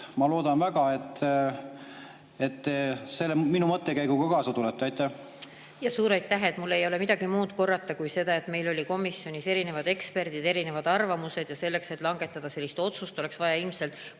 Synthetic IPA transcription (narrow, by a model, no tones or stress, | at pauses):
mɑlo̞ːd̪̥ɑnvæɡ̥ɑet̪ː | et̪ːese̞lːeminumɤt̪ːekæjɡ̥uɡ̥ɑkɑːsɑt̪ulɛt̪ːˑɑjt̪ːˑæh | jɑsuːɾɑjt̪ːˑæɦe̞t̪mulːe̞jo̞le̞mid̪̥ɑɡ̥imuːd̪̥ko̞rːɑt̪ːˑɑkujse̞d̪̥ɑe̞t̪me̞jlo̞lʲiko̞misːjo̞nise̞ɾine̞vɑd̪e̞kspe̞rd̪id̪e̞ɾine̞vɑd̪ɑrvɑmuse̞d̪jɑse̞lːe̞kse̞t̪ˑlɑŋɡ̥e̞t̪ˑːɑd̪̥ɑse̞lːist̪o̞t̪sust̪ole̞ksvɑjɑilmse̞lt̪ˑ